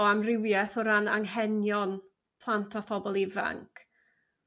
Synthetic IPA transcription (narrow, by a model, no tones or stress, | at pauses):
amrɪwjɛθʊɾanaŋɦɛnjɔn | pʰl̥ˠantʰɔfɔbɔlˠiva̰ŋkʰ